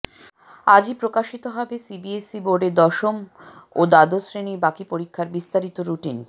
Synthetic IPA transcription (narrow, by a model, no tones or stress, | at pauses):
ad͡ʑipɾokaʃit̪oɦɔbesibiesiboɖeɾd̪ɔʃomod̪ad̪osɾeniɾbakipoɾikʰːaɾbist̪aɾit̪oɾuʈin